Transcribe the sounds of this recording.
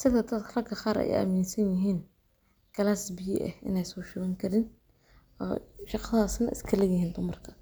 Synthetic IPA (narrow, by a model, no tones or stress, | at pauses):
sɪðɐd̪ɐd̪ʰrɐkʰɐχɑːɾɛ̰j̰ɐ̰miːnsɐnjɪɦiːn | kʰɐlasbɪjɪ̰ʔɛ̰hɪ̰nɛjsɔːʃɪɣɛŋkʰɐɾɪn | ɔ̰ːʃɑqɑðaːsnɐ̰ʔɪ̰skʰɐlɛɡjɪɦiːnd̪ʊmɐrkʰɐ̥